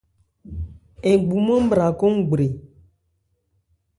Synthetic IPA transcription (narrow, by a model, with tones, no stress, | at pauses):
e˨ɡ͡bu˨mə̃˦m̩˦bɾa˨ko˦ŋ˦ɡ͡bɾe˨